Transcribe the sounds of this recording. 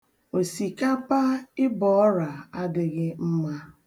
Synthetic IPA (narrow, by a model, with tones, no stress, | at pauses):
o˨si˨ka˦pa˦ɪ˦bɔ˨ɔ˦ɾa˨a˦dɪ˦ɣɪ˦m̩˦ma˦